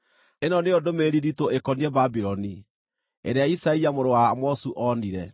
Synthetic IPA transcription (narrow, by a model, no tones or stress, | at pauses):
enɔneodomeɾiɾitoekɔniɛbabiɾɔni | ḛɾeaisaiamoɾowamɔsuʔɔniɾɛ